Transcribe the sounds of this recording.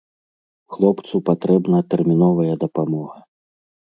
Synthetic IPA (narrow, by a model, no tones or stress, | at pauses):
xlˠɔpt̪supat̪ɾɛbnɐt̪ɛrmʲin̪ɔvɐjɐd̪ɐpamɔɣɐ